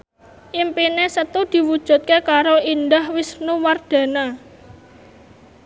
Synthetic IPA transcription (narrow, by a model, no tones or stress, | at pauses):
ʔimpinesət̪ud̪̥i̤wud̥ʒ̥ṳt̪̚kekaɾoind̪ahwɪsnuward̪̥ä̤na